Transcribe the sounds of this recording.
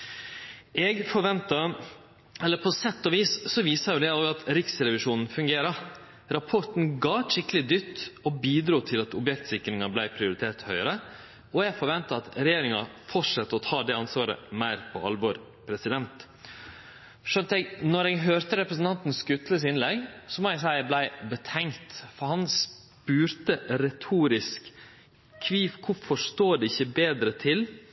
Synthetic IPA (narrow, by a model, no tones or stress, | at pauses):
ɛɡfɔɾʋɛnt̪ɑ | ɛlːəpʰɔsɛt̪ːɔʋiːssɔʋiːsɑɾjʊd̪ɛoːɡɑt̪ɾɪksɾɛʋɪʂuːnn̩fʉŋɡeːɾɑ | ɾɑpʰɔɾʈ̪n̩ɡɑːʂɪkəlɪd̪ʏt̪ːɔbiːd̪ɾuːt̪ʰɪlɑt̪ɔbjɛkt̪sɪkɾɪŋɑblæɪpʰɾɪʊɾɪt̪ʰeːɾt̪hœʏəɾə | ɔɛɡfɔɾʋɛnt̪ɑɑt̪ɾɛjeːɾɪŋɑfɔʈʂɑt̪ːəɔt̪ʰɑːd̪ɛɑnsʋɑːɾə̰mæɪɾpʰɔʔɑlʋɔɾ | pʰɾɛsɪd̪ɛnt̪ | ʂœnt̪ɛɡnɔɾɛːɡɦøːɾt̪əɾɛpɾəsn̩t̪ɑnt̪n̩skʉt̪ləsɪnlɛɡsɔmɔɛɡsæɪblæɪbət̪ʰɛŋt̪fɔɾhɑns | pʉːɾt̪əɾɛt̪ʰuːɾɪsk | kʰʋiːfkʰʊfɔʂt̪oːɖ̪ɛɪçːəbeːd̪ɾət̪ʰɪl